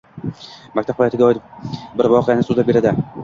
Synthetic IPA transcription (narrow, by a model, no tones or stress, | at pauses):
makʲt̪ʰaphajat̪ɪɡʲaɒj̪ɪbɪɾvɒqʰɨjanɪsuzabeɾad̪ɪ